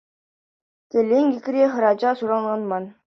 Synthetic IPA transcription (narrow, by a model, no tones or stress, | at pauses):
t̪ʲɘ̆lʲeŋʲɡʲikʲrʲeχɤ̆ɾɑd͡ʑɑsuɾɑnʁɑnmɑn